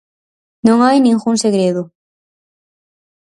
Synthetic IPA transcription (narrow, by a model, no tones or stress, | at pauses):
nõŋajnĩŋɣuŋseɣɾeðʊ